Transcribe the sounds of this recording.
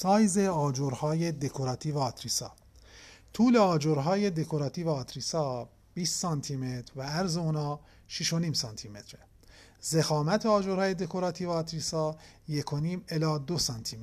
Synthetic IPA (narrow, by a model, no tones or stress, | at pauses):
sɒːjze̞ɒːd͡ʒoɾhɒːjed̪ekʰoɾɒːt̪ʰiːvæːt̪ʰɾisɒ̰ː | t̪ʰuːle̞ɒːd͡ʒoɾɦɒːje̞d̪e̞kʰoɾɒːt̪ʰiːvæːt̪ʰɾisɒː | b̥iːst̪sɒːnt̪ʰimet̪ɾvææɾzeunɒː | ʃiʃo̞niːmsɒnt̪ʰime̞t̪ʰɾe | ze̞xɒːmæt̪ʰeɒːd͡ʒoɾhɒːje̞d̪e̞kʰo̞ɾɒːt̪ʰiːvæːt̪ʰɾisɒː | je̞kʰo̞niːmelɒːd̪osɒnt̪ʰime